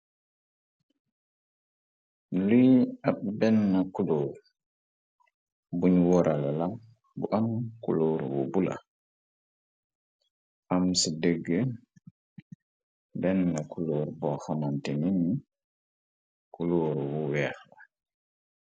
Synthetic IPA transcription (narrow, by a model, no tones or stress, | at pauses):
lujat̚bɛnːakuloɾ | buɲwɔɾʔalala | bṵʔamkuloːɾwṵbula̰ | ʔamsidəɡːə | bɛnːakuloːɾbɔxamantenini | kuloɾwuwɛːxla